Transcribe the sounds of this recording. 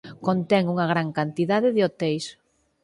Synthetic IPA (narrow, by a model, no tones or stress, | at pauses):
kont̪ɛŋuŋɐɣɾaŋkant̪iðaðɪðɪot̪ɛjs